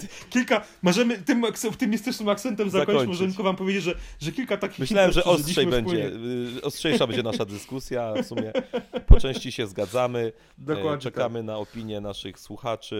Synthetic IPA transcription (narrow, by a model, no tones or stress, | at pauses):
kʲilka | mɔʐɛmɘt̪ɘmk̪ɔft̪ɪmʲist̪ɘt͡ʂnɘmak̚t̪sɛnt̪ɛmzakakɔɲɔmɔʐɛmt̪kɔvampɔvʲed͡ʑed͡ʑʐɛʐɛkʲilkat̪akʲixmɘɕlawɛmʐɛʔɔstiʂɛjbɛɲd͡ʑɛɔstʂɛjabɛɲd͡ʑɛnaʂad̪ɘskusʲjafsumʲjɛpɔt͡ʂɛ̃w̃ɕt͡ɕiɕɛzɡad̪zamɘ | d̪ɔwat͡ʂɛkamɘnaɔpʲiɲjɛnaʂɘxswuxat͡ʂɘ